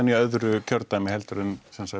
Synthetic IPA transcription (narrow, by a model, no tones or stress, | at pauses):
nːiœðɾʏcʰœɾt̪amɪhɛlt̪ɾʏnsɛnsa